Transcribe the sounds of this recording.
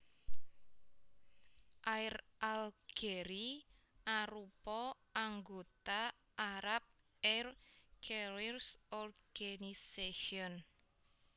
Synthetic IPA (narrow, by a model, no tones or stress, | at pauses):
ʔaɪrʔalɡ̥eɾi | ʔaɾupɔʔaŋɡot̪a | ʔːɾap̚ | ɛrkʰeɾirsɔrɡ̥aniseʃiɔn